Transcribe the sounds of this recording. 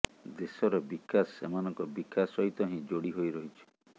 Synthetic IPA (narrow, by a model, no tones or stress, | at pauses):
d̪esɔɾɔbikasːḛmanɔŋkɔbikʰasɔɦit̪ɔɦĩd͡ʒoɽiɦojɾɔɦit͡ʃʰi̥